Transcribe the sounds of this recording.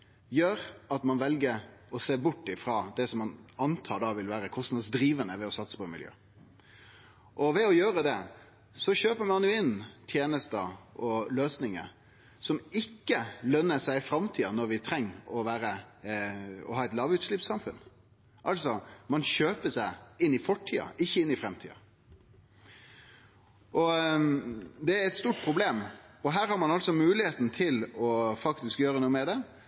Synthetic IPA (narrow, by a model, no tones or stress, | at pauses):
jøɾɑt̪mɑnʋɛlɡəɾɔseːbʊʈːɪfɾɑːd̪ɛsɔmːɑnɑnt̪ʰɑːɖ̪ɑʋɪlʋæːɾəkʰɔst̪nɑd̪sd̪ɾiːʋənəʋɛɔsɑt̪sə̥pɔɛɪmɪljø̰ː | ʔɔʋɛɔjøːɾəd̪ɛ | sɔɕøːpəmɑnjʊɪnt̪ʰjeːnəst̪əɔløːsnɪŋə̰ | sɔmɪkːəlœnːəsæɪfɾɑmt̪ʰiːɑnɔɾʋɪt̪ʰɾɛŋːɔʋæːɾə | ɔ̰ɦɑːɛt̪lɑːʋʉːt̪ʂlɪpsɑmfʉn | ʔɑlsɔmɑnçøːpəʂæɪɪnːɪfɔʈʰːiːɑ̰ʔɪçːəɪnːɪfɾɛmt̪ʰḭːɑ̰ | ʔɔ | d̪ɛæɾɛɪt̪st̪uːʈ̚pʰɾʊbleːmɔɦæːɾhɑɾmɑnɑlt̪sɔmʉːlɪheːt̪n̩t̪ʰɪlɔfɑkt̪ɪskjøːɾənuːəmɛd̪ɛ